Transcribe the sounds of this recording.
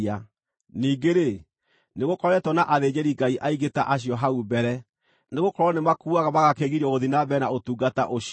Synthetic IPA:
a | niːɡeɾe | neɣokɔɾɛtwɔnaʔaðed͡ʑɛɾiɡaiʔaiɣetaʔaɕ̬iɔɦaubɛɾɛ | neɣokɔɾwɔnemakuaɣaβaɣakeɣiɾɔɣoðinabɛnaotuːɡata̰ʔoɕ

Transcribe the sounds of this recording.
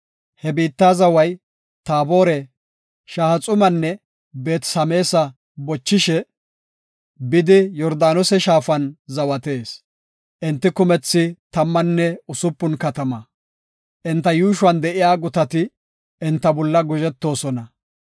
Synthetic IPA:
hɛbiːt̪ːaːzɐwɐj | t̪aːbo̞ːɾɛ | ʃaːhɐt͡sʼʊmɐnːɛ | be̞ːt̪sɐme̞ːsɐ | bɔt͡ʃːɪʃɛ | bɪd̪ɪjɔɾd̪aːnɔsɛʃaːfɐnzɐwɐt̪e̞ːs | ʔɪnt̪ːɪkʊmɛt͡sːɪt̪ɐmːɐnːɛʊsʊpːʊnkɐt̪ɐmɐ | ʔɪnt̪ːɐjuːʃʊɐnd̪ɛʔɪjaːɡʊt̪ɐt̪ɪ | ɪnt̪ːɐbɔlːɐɡʊʒɛt̪ːo̞ːsɔnɐ

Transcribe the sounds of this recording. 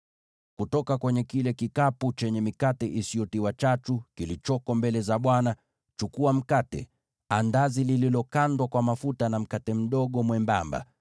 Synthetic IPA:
kutɔkakwɛɲɛkilɛkikaput͡ʃɛɲɛmikatɛʔisiɔtiwat͡ʃatukilit͡ʃɔkɔmbɛlɛzaɓwana | t͡ʃukuam̩katɛ̰ | andazilililɔkandwakwamafutanam̩katɛm̩ɗɔɠɔmwɛmbamba̰

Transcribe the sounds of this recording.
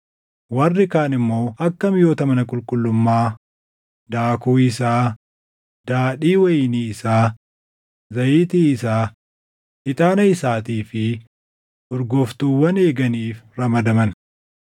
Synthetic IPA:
wɐrːɪkaːnɪmːo̞ːʔɐkːɐmɪjo̞ːt̪ɐmɐnɐkʼʊlkʼʊlːʊmːaː | d̪aːkuːɪsaː | d̪̥aːᶑiːwɐjɪniːɪsaː | zɐjiːt̪iːɪsaː | hɪt̪ʼaːnɐɪsaːt̪iːfɪ | ʔɔɾɡɔft̪uːwːɐne̞ːɡɐniːfɾɐmɐd̪ɐmɐn

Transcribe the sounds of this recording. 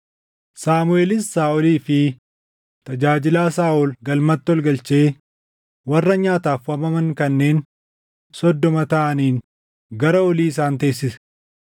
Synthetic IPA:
saːmʊeːlɪsːaːʔɔliːfɪ | t̪ɐd͡ʒaːd͡ʒɪlaːsaːʔɔlɡɐlmɐt̪ːɔlɡɐlt͡ʃeː | wɐrːɐɲaːt̪aːfwɐmɐmɐŋkɐnːe̞ːn | sɔd̪ːɔmɐt̪ɐʔɐniːn | ɡɐɾɐɔliːɪs̬aːnt̪e̞ːs̬ːɪsɐ̥

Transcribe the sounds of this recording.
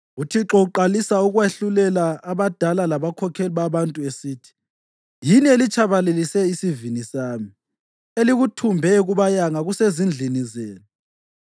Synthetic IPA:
utʰiǁɔuǃalisauɣweɬulɛlaːβad̥ʱalalaβakʰɔkʰɛliβaβantʼuesiːtʰi̥ | jinielit͡ʃʰʼaβalelisɛisivinisaːmi | eliɣutʰumbʱɛɣuβajaŋaɣusezind͡ɮʱinizeːnu

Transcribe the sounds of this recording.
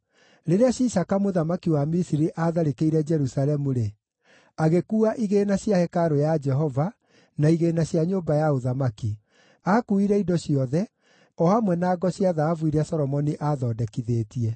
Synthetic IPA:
ɾeɾeaɕisakamoðamakiwamisiɾiʔaðaɾekeiɾɛd͡ʒɛɾusalɛmuɾe | aɣekuːaʔiɣeːnaɕjahɛkaɾojad͡ʒɛɦɔva | naiɣenaɕjaɲoːmbajaoðamaki | aːkuiɾɛidɔɕijɔðɛ | ɔhamwɛnaːɡɔɕiaðaːvwiɾasɔɾɔmɔniʔaðɔːdɛkiðeːtiɛ

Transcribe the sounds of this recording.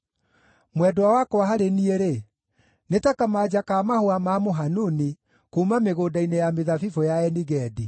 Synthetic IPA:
mwɛdwawakɔaɦaɾenieɾe | netakamad͡ʑakaːmahoamamoɦanuni | kuːmameɣoːdainejameðafifɔjaɛniɣɛdi

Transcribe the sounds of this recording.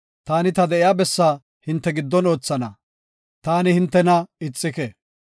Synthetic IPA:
t̪aːnɪt̪ɐd̪ɛʔɪjaːbɛsːaː | hɪnt̪ːɛɡɪd̪ːɔno̞ːt͡sːɐnɐ | t̪aːnɪhɪnt̪ːɛnɐɪt͡sʼːɪkeː

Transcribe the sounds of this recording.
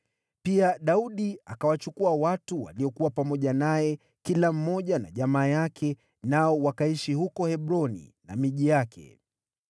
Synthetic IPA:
piaɗauɗiakawat͡ʃukuawatuwa̰liɔkuwapamɔʄanajɛ | kilam̩mɔʄana̰ʄamaːjakʰɛ | naɔwakaiʃihukɔhɛɓɾɔnḭna̰miʄijakʰɛ̰

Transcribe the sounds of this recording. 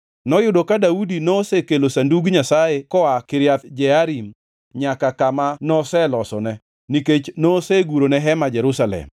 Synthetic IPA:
nɔjʊdokadaudinosekelosanduɡɲasaekɔakɪɾjat̪d͡ʒɛaɾim | ɲakakamanɔsɛlɔsɔnɛ | niket͡ʃnoseɡuɾonɛɦɛmad͡ʒɛɾusalɛ̰m

